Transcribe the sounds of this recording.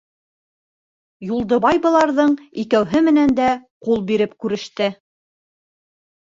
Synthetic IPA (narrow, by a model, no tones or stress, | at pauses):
julˠd̪ɤ̆βɑjbɤ̆lˠɑɾðɤɴikæwɦɘmɘ̆nænd̪æqulˠbiɾɘpkʉɾɘ̆ʃt̪ɘ